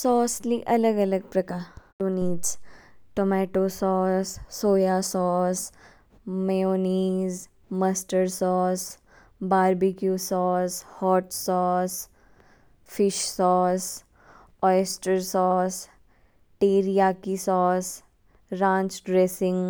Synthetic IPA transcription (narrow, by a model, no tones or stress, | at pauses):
sɔːsliʔɐləɡɐləɡ̚pɾɐkaː | oːniːzʈomɛːʈosɔːsːoːjasɔːs | mɛjoːniːz | mɐsʈəɾsɔːs | baːɾbikjusɔːshɔːʈsɔːs | fɪʃsɔːs | ɔːjsʈəɾsɔːs | ʈeːɾijakisɔːs | ɾãːɲt͡ʃɖɾeːsɪ̃ŋɡ